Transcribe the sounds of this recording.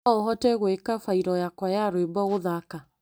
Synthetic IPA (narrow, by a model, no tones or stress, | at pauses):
oɦɔtɛɣwekafaiɾɔjakwajaɾwebɔɣoðaka